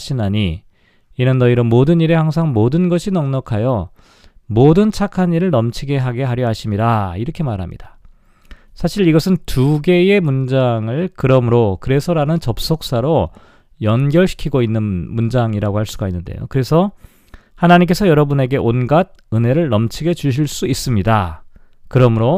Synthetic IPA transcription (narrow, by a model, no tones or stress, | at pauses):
ɕʰinaɲi | inɯnːʌiɾʌmodɯniɾe̞haŋs̬ʰaŋmodɯnɡʌɕʰinʌŋɲʌkʰajʌ | modɯnt͡ɕʰakʰaɲiɾɯɭnʌmt͡ɕʰiɡe̞ɦaɡe̞ɦaɾjʌɦaɕʰimiɾaiɾʌkʰe̞maɾɦa̰mɲḭd̥ḁ | sʰaɕʰiɾiɡʌsʰɯntuɡe̞emund͡ʑaŋɯɭkɯɾʌmuɾokɯɾe̞sʰʌɾanɯnt͡ɕʌp̚s͈ok̚s͈aɾo | jʌnɡjʌɭɕʰi̥kʰiɡoinːɯnmund͡ʑaŋiɾaɡohaɭs͈uɡainːɯnde̞̰jo̰kɯɾe̞sʰʌ | hanaɲimk͈e̞sʰʌjʌɾʌbune̞ɡe̞ʔonɡad̚ | ɯne̞ɾɯɭnʌmt͡ɕʰiɡe̞t͡ɕuɕ̬ʰiɭs͈uis͈ɯmɲida̰ | kɯɾʌmuɾo